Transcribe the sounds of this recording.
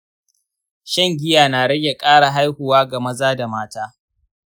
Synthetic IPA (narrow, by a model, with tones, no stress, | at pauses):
ʃɐ˦˨ŋɡʲɪ˦jaː˨naː˨ɽɐ˦ɡʲe˨kʼaː˦ɽa˨ɦa˦jhʊ˨waː˦ɡa˨mɐ˦zaː˦da˨maː˦taː˦